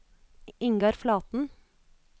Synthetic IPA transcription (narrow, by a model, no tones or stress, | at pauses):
ɪŋɡɑɾflɑːt̪n̩